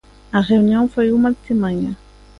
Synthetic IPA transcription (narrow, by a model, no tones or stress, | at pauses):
aʁeynjɔ̃faumalt̪emaɲa